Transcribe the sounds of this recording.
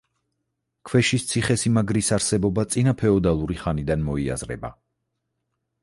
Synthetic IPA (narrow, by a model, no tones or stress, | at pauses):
kʰwɛʃist̪sʰiχɛsimaɡɾisaɾsɛbɔbat̪sʼinapʰɛɔd̪alˠuɾiχanid̪anmɔia̰zɾɛ̰ba̰